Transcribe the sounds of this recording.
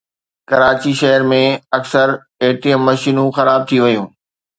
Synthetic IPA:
kɐɾaːt͡ɕiʃɐɦəɾmẽɐksəɾ | eːʈijə̃ːɐʃiːnũxɐɾaːb̚t̪ʰiʋɐjũː

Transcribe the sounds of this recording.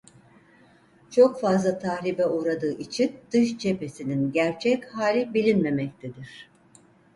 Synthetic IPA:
t͡ʃʰo̞kfazlˠat̪ʰahɾibɛuːɾad̪ɯːʔit͡ʃʰind̪̥ɯʃt͡ʃʰe̞pe̞sininɟæɾt͡ʃʰɛchaːlʲibilʲinme̞mɛc̚t̪ʰed̪iɾ̝̥

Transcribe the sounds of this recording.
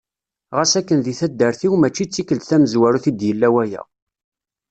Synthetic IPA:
ʁasækːənðiθæd̪ːəɾθiwmæt͡ʃːit͡sːikəld̪θæməzwæɾuθid̪jəlːæwæjæ̰

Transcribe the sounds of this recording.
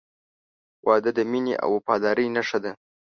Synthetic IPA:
wʔɑd̪əd̪əmineʔa̰wpɑd̪ɑɾəjnaʂad̪a

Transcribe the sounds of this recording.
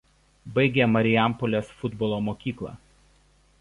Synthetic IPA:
bɐɪɡʲeːmɐɾʲɪjæˑmpɔlʲeːsfʊd̪bɔlˠoːmoːkʲiːklˠɑ̰ːˑ

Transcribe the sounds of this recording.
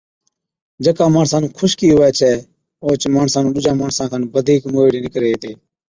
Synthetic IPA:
d͡ʒəkãːmaːɳsãːnũːkʰʊʃkiːɦoɛːt͡ʃʰɛː | oːt͡ʃmaːɳsãːnũːɗʊd͡ʒãːmaːɳsãːkʰanbəd̪ʱiːkmoːeːɽeːnɪkɾeːeːt̪eː

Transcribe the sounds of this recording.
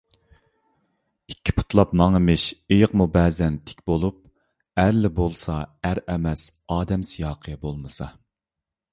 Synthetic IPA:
ikʲʰːi̥pʰu̥t̪ʰlˠɑpmɑŋemɪʃejɨqmubɛːzɛnt̪ʰɪ̥kʲbolˠup̚ | æɾlɪbolˠsɑæɾɛmɛs | ɑːd̪ɛmsijɑːqʰəbolˠmɨsɑ

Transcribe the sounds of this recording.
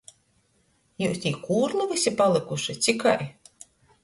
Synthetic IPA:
juːst̪ʲiːkuːɾlˠuvisʲipalˠɨkuʃɨt̪sʲikaj

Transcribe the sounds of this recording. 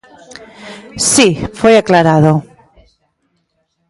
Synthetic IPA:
sifweaklaɾaðo

